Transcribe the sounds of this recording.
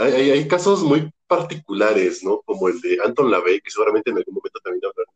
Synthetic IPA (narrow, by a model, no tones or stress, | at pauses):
ajajajkaso̞zmujpaɾt̪ikulaɾe̞sno̞ko̞mo̞e̞ld̪e̞ant̪o̞nlaβejkese̞ɣuɾament̪enalɡɣunmoment̪ot̪ambje̞naβlaɾ